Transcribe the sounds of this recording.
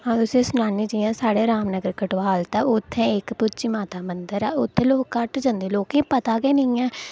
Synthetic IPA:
ɦãːt̪ʊsẽːsʊnaːniːd͡ʒiːãːsaːɽeːɾaːmnəɡəɾkəʈʋaːlt̪ãːʊt̪ʰːẽːɪkpʊtːt͡ʃiːmaːt̪aːmənd̪əɾɛːʊt̪ʰːẽːloːkːəʈd͡ʒãnd̪eːloːkẽːpət̪aːɡeːnɪːɛː

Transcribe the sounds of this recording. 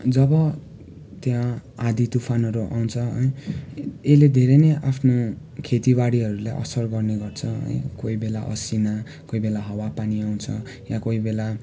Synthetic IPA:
d͡zʌbʌ | t̪jãad̪it̪upʰanʌɾuʔa̰w̃t͡sʰʌʌ̰j | eled̪ʱeɾejnʌjʔapʰno | kʰet̪iwaɽiɦʌɾulajʔʌ̰sʌrɡʌrneɡʌrt͡sʰʌɦʌ̰j̰koibela̰ʔʌ̰sina | koibelaɦʌwapaniaw̃t͡sʰʌ | jakoibela

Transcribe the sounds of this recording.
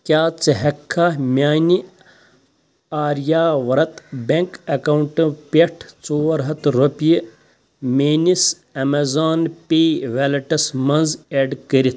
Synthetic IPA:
kʲaːt͡sɐɦɐkʰːamʲaːnʲi | aːɾjaːʋɐɾɐt̪bʲeŋkɐkɐwɳʈɨ̃pʲeʈʰt͡soːɐɾɦɐt̪ɾupiji | meːnis | ɐmɐzaːnpiːʋelɐʈɐsmɐnzeːɖkəɾit̪ʰ

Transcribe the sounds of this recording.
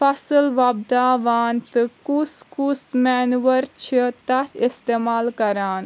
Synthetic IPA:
fʰɐsəlʋaːbd̪aːʋaːnt̪ɨkuskusmɛːnuʋəɾt͡ʃʰit̪ɐt̪ist̪eːmaːlkɐɾaːn

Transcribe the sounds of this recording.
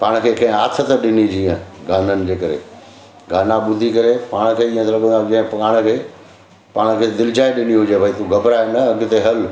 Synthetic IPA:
paːɽ̃kʰeːkɐ̃ɦɪ̃aːt̪ʰə̆t̪əɗɪnid͡ʑiːə̃ɡaːnənɪ̆d͡ʑeːkɐɾḛ | ɡaːnaɓʊd̪ʱikɐɾepaːɽ̃kʰeːĩːə̃t̪ʰɐlɐɠə̃nd̪ad͡ʑɐ̃ɦɪ̃pɐɡaːɽ̃kʰeː | paːɽ̃kʰeːd̪ɪlɪd͡ʑaːeɗɪniɦʊd͡ʑebʱaːit̪uɡɐbɾaenɐɐɡʊ̆t̪eɦɐl

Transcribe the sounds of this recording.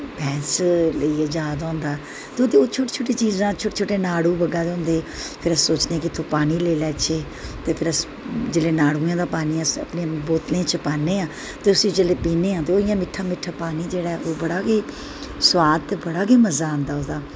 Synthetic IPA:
pʰɛ̃ːnsləiːɛːd͡ʒaːd̪ãːnd̪aː | t̪eoːd̪eːoːt͡ʃʰoːʈe̥ːt͡ʃʰoːʈeːt͡ʃiːzãːt͡ʃʰoːʈeːt͡ʃʰoːʈeːnaːɽuːbəɡãːd̪eʊ̃ːnd̪eːpʰɪɾəsːoːt͡ʃneːãːkɪt̪ʰoːpaːniːleːlɛːt͡ʃʰeː | t̪eːpʰɪɾəs | d͡ʒeleːnaːɽuːjãːd̪aːpaːniːɛsə̰pnẽãːboːt̪lẽːt͡ʃəpaːnːeːãː | t̪eːʊsĩːd͡ʒeleːpiːnẽːãːt̪eːoːɪjãːmɪʈʰːãːmɪʈʰːaːpaːniːd͡ʒeːɽaːɛʔoːbəɽaːɡeː | swaːd̪̚t̪eːbəɽaːɡeːməzãːnd̪aːoːd̪aː

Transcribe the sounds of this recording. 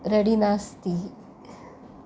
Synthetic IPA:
ɾəɽinast̪i

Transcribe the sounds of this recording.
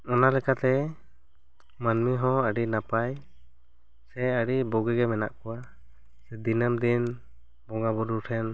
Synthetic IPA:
ɔnalɛkat̪ɛ | manmiɦɔ̃əɖinapaj | sɛəɽibɔɡɛɡɛmɛna̰ʔkɔwa | sɛd̪inəmd̪in | bɔŋabɔɾuʈʰɛn

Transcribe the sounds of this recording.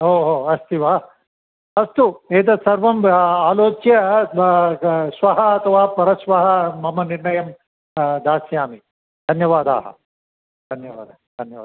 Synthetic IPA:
oːɦoːɐst̪iʋa | ɐst̪ueːt̪ɐsɐɾʋɐmaːloːt͡ʃjɐ | sʋɐɦɐɐt̪ʰɐʋaːpɐɾɐsʋɐɦɐːɐmɐniɾɳɐjɐm | d̪aːsjaːmi | d̪ʱɐnjɐʋaːd̪a̰ːɦɐ̰ | d̪̥ʱɐnjɐʋa̰ːd̪aːd̪ʱɐnjɐaː

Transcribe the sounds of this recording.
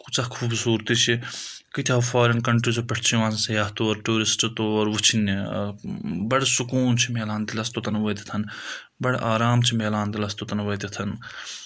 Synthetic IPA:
kut͡ʃakʰuːbsuːɾt̪it͡ʃʰikit̪ʰʲaːfaːɾɐnkɐɳʈɾit͡ʃopɐʈʰt͡ʃʰiʋãːnsɐjaːɦt̪oːɐɾʈuːɾist͡ʃit̪oːɐɾʋut͡ʃʰini | bɐɽsukuːnt͡ʃʰimeːlaːnt̪ilɐst̪ot̪ɐnʋɐjt̪it̪ʰɐn | bɐɽeʔaːɾaːmt͡ʃʰimeːlaːnt̪ilɐst̪ot̪ɐnʋɐːt̪it̪ʰɐn

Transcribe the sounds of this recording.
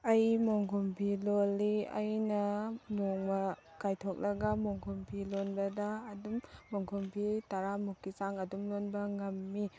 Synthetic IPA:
ɐjmoŋkʰumpʰilolːiɐ̰jnɐnoŋmɐkajtʰok̚lɐɡɐmoŋkʰumpʰilonbɐdɐːdumːoŋkʰumpʰitɐɾamukːisaŋɐdumlonbɐŋɐmːi

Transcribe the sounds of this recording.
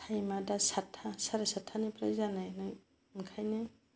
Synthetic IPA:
ajmadasatʰːasaɾasatʰanipɾajzanajnɯj | nkʰajnɯ

